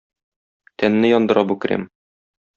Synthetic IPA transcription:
t̪ænːɘjɒnd̪ɤ̆ɾʔɑbʉkɘ̆ɾæ̰m

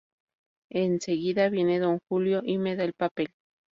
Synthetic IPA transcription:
enseɣiðaβjeneðoŋxuljoʔimeðaelpapel

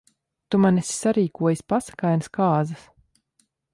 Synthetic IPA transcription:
t̪umanɛsi̥saɾiːkuɔjasʲpasḁkajnskaːzas

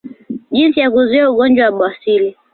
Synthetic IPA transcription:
d͡ʒinsijakuzwauɡɔnd͡ʒwawaɓasili

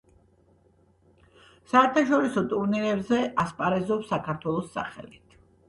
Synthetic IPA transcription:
saɛɾt̪ʰaʃɔɾisɔt̪ʼuɾniɾɛbzɛʔaspʼaɾɛzɔpsakʰaɾt̪ʰwɛlˠɔsːa̰χɛ̰lit̪ʰ

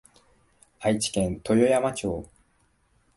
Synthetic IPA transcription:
ait͡ɕi̥kẽ̞nt̪ʰo̞jo̞jamat͡ɕo̞ː

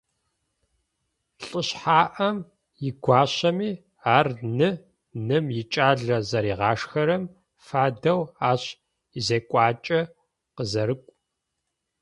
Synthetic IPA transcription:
ɬʼəɕħaːʔɐm | jɪɡʷɑːɕɐmiː | aːrnɨ | nɨmjɪt͡ʃʼaːɮɐzɐɾiːʁɑːʂxɐɾɐm | faːdɐwaːɕ | izeːkʷʼɑːt͡ʃʼɐ | qəzɐɾɨkʷʼ

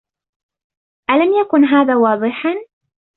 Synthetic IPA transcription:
ʔalamjakʊnɦaːðaːwɑːðˤɨħa

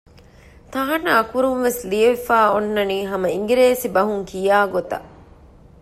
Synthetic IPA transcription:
t̪ɐɦɐnɐːkuɾunʋeslijɐʋifaːonːɐniːɦɐmɐiŋɡiɾeːsibɐɦuŋkʰijaːɡot̪ɐ̰ʔ

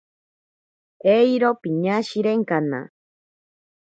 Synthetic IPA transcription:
eiɾopiɲaʃiɾeŋkana̰

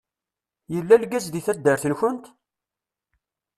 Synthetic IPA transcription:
jəlːælɡæzðiθæd̪ːəɾθənçʊnt̪

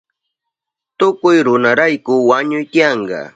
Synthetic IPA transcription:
t̪ʊkʊjɾʊnaɾajkʊwaɲʊjt̪ɪjɑɴɢɑ̰

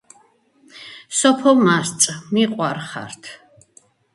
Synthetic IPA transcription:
sɔpʰɔmast̪sʼmiqʼwaɾχa̰ɾt̪ʰ

